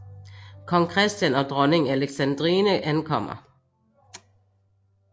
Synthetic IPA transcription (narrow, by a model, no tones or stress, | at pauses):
kʰɒŋkʰʁɛsd̥jænɒd̥ʁɔnɪŋæləɡ̥sænd̥ʁiːnəʔænkʰɒm̰ɐ̰